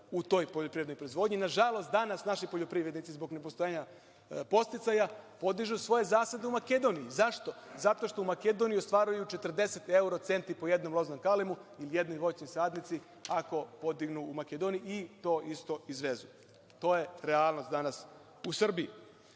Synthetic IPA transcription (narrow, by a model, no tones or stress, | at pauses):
ut̪o̞ːjpoʎopɾiʋed̪nojpɾoizʋo̞d̪ɲinaʒalo̞st̪d̪anasnaʃipoʎo̞pɾiʋɾed̪nit̪izbo̞ɡne̞po̞st̪o̞jeːɲa | po̞st̪it̪sajapo̞d̪iʒusʋo̞je̞zaːsad̪eumake̞d̪o̞nijizaʃt̪o̞zat̪o̞ʃt̪o̞umake̞d̪o̞nijiost̪ʋaːɾujut͡ʃe̞t̪rd̪e̞set̪e̞uɾot̪se̞nt̪ipo̞je̞d̪no̞mlo̞znomkalimuilijed̪nojʋo̞t͡ʃɲojsaːd̪nit̪si | ako̞po̞d̪iɡnuːmaked̪onijiit̪o̞ːʔist̪o̞izʋe̞zu | t̪o̞ːje̞ɾealˠno̞st̪d̪anas | usr̩bii